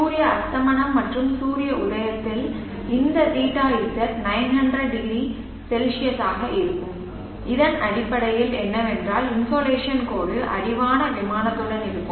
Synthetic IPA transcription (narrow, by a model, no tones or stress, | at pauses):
suːɾɪjɐɐst̪ɐmɐɳɐmːɐʈrɯmsuːɾɪjɐʊðɐjɐt̪ːɪl | ɪnd̪ɐsiːʈːaːjɪsɐɾnɐɪnɦɐndrɐɖɖɪɡɾi | sɛlʂɪjɐsaːɣɐʔɪɾɯkːɯm | ɪðɐnɐɽɪpːɐɽɐjɪlɛnːɐʋɛndraːlɪnsoːleːʂjɐnkoːɽɯʔɐ̰ɽɪʋaːnɐʋɪmaːnɐt̪ːɯɽɐnɪɾɯkːɯm